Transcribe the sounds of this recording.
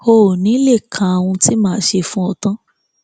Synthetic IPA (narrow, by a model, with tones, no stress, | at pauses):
o˧˨nĩ˨˦le˦˨kʰã˨a˨w̃ũ˧ti˦mãː˦ʃe˧fũ˦ɔ˧tã˦